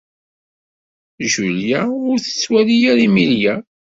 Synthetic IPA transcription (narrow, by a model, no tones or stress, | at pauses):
ʒuljæʊɾθə̥t͡sːwælijæɾimiljæ